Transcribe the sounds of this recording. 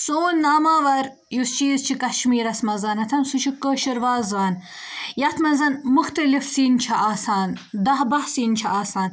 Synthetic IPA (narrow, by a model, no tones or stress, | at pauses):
soːnːaːmaːʋɐɾ | just͡ʃiːzt͡ʃʰikɐʃmiːɾɐsmɐzɐnɐt̪ʰɐnsut͡ʃʰikəːʃiɾʋaːzʋaːn | jɐt̪ʰmɐzɐnmuxt̪ɐlifsiːnt͡ʃʰɐʔaːsaːnd̪ɐɦbɐhsiːnt͡ʃʰiʔaːsaːn